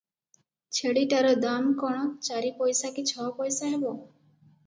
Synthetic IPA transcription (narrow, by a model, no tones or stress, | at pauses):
t͡ʃʰeɽiʈaɾɔd̪amkɔɽ̃ɔt͡ʃaɾipɔjsakit͡ʃʰɔpɔjsaɦebɔ